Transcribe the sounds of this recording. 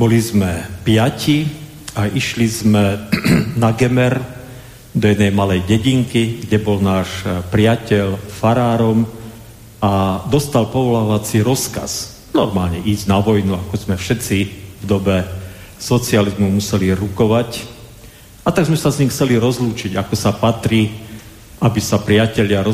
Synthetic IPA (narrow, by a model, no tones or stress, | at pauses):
bɔlizmɛpɪaci | aʔiʃlizmɛ | naɡɛmɛɾ | d̪ɔjɛd̪nɛjmalɛjɟɛɟiŋkiɡɟɛbɔlnaːʃpɾɪacɛʎfaɾaːɾɔm | ad̪ɔst̪alpɔʋɔlaːʋat͡siɾɔska̰s | nɔɾmaːlɲɛiːzɟnaʋɔjnuakɔzmɛfʃɛt͡sivd̪ɔbɛ | sɔt͡sializmumusɛliɾukɔʋac | at̪aɡzmɛsazɲimxt͡sɛliɾɔzluːt͡ʃiɟakɔsapat̪ɾiː | abisapɾɪacɛʎɪaɾɔ